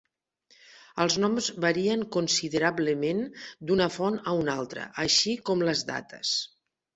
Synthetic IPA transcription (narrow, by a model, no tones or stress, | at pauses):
əlˠznɔmzβəɾiəŋkunsiðəɾaβləmend̪unəfɔnəunalˠt̪ɾə̰ʔəʃikɔmləzda̰t̪ə̰s